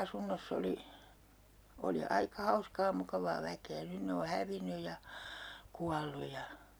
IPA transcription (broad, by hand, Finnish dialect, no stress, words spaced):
ɑsunːosː oli oli ɑikɑ hɑuskɑː mukɑʋɑː ʋækeː nyn ne o hæʋinːyj̆ jɑ kuɑlːu jɑ